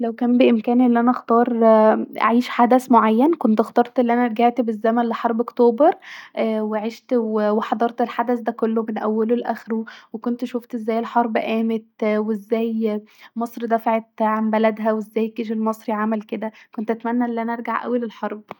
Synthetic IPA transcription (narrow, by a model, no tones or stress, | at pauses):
læwkæːmbeʔemkæːnʔelːiʔænæʔæxt̪ˤɑːɾˤʔa̰ʕiːʃħad̪æsmoʕajːænkont̪ʔext̪ˤɑɾˤt̪ʔelːiʔænæɾˤɡeʕt̪bezːæmænleħɑɾˤbʔokt̪oːbeɾˤʔweʕeʃt̪weweħɑd̪ˤɑɾˤt̪elħad̪æsd̪ækolːomenʔæwːælolʔæxɾuwekont̪ʃoft̪ʔezːæːjelħɑɾˤbʔæːmet̪weezːæːjmɑsˤɾid̪æfaʕet̪ʕambælæd̪ɦæwezːæːjkeʃ̬elmɑsˤɾiʕamælked̪ækont̪ʔæt̪mænːæʔelːiʔænæʔɑɾˤɡaʕʔæ̰wːælelħɑɾˤb̚